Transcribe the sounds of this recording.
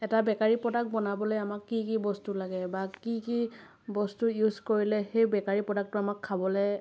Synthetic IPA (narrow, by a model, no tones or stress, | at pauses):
ɛtabɛkaɹipɹɔdak̚bɔnabɔlojamakːikibɔstulaɡɛbakiki | bɔstujuzkoɹilɛxejbɛkaɹipɹɔdak̚tʊamakʰːabɔlɛ